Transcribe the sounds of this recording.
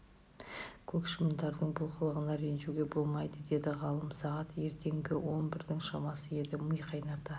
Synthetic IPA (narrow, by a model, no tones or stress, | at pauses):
kʲʰɵkʃɪmənd̪ɑɾd̪əɴbʊlˠqəlˠəʁənɑɾenʒuɡʲe̞bo̞lˠmɑjd̪əd̪e̞d̪ɪʁɑlˠəmsɑʁɑt̪je̞ɾt̪ʰe̞ŋɡʲɪwo̞nbɪɾd̪ɪŋʃɑmɑsəje̞d̪ɪməjqʰɑjnɑt̪ə